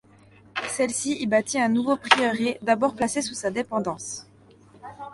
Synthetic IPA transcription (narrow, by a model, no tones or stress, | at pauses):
sɛlsiibat̪iɛ̃nuvopχiœʁed̪abɔʁplasesusad̪epɑ̃d̪ɑ̃s